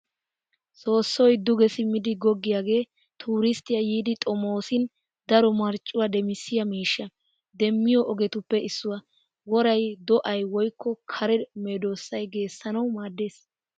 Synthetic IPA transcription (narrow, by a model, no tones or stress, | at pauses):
so̞ːsːɔjd̪ʊɡɛsɪmɪd̪ɪɡɔɡːɪjaːɡe̞ː | t̪ʰuːɾɪst̪ɪjɐjiːd̪ɪt̪ʼɔmo̞ːsɪn | d̪ɐɾɔmɐɾt͡ʃʼːʊwad̪ɛmɪsːɪjɐmiːʃːɐ | d̪ɛmːɪjɔʔɔɡɛt̪ʊpːɛɪsːʊwɐ | wɔɾɐjd̪ɔʔɐjwɔjkʰːɔkʰɐɾɛmeːd̪o̞ːsːɐjɡe̞ːsːɐnɐwmaːd̪ːe̞ːs